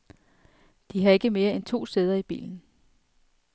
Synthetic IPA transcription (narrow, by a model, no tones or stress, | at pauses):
d̥iɦɑ̈e̝ɡ̥əme̝ːɐent͡sʰo̝̰ːseːð̞ˠɐib̥ḭːln̩